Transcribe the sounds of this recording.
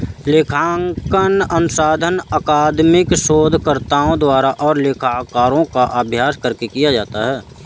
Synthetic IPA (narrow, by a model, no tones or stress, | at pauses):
leːkʰaːŋkənənʊsaːd̪ʱənəkaːd̪mɪkʃoːd̪ʱkəɾt̪aːõd̪waːɾaʔɔːɾleːkʰaːkaːɾõkaʔəbʱjaːskəɾkekijad͡ʒaːt̪aɦɛː